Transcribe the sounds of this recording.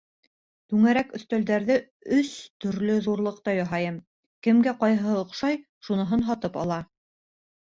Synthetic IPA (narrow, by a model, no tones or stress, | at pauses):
t̪ʉŋæɾækɵ̆θt̪æld̪æɾðɘ | ɵst̪ɵ̆ɾlɵðuɾlˠɤ̆qt̪ɑjɑɦɑjɤm | kɘ̆mɡæqɑjɤɦɤŏqʃɑj | ʃunɤ̆ɦɤnɦɑt̪ɤpɑ̰lˠɑ